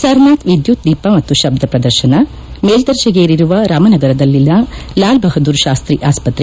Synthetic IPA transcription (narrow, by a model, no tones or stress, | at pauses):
sɐɾnaːt̪ʋid̪jut̪̚d̪iːpɐmɐt̪ːuʃɐb̚d̪ʱɐpɾɐd̪ɐɾʃɐnɐ | meːld̪ɐɾʃɐɡeːɾiɾuʋɐɾaːmɐnɐɡɐɾɐd̪ɐlːilːɐlaːlbɐɦɐd̪uːɾʃaːst̪ɾiʔaːspɐt̪ɾe